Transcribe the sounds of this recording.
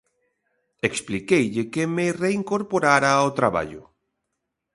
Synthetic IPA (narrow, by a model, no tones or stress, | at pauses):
eksplikejʎɪkemereiŋkoɾpoɾaɾaot̪ɾaβa̰ʎʊ̰